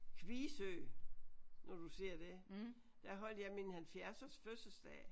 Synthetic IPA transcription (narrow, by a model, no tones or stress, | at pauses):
kʰʋiːsø̰ː | nɒd̥use̝ɐ̰d̥e | d̥æɐɦɒ̽l̰d̥jɑ̈ɪminhælfjæɐsɐsføsəsd̥ɛ̰ː